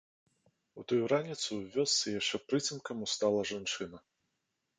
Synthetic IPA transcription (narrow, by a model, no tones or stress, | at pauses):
ut̪ujuɾanʲit̪suwvʲɔst̪sɨjaʂt͡ʂɛpɾɨt͡sʲinkɐmust̪alˠɐʐant͡ʂɨnɐ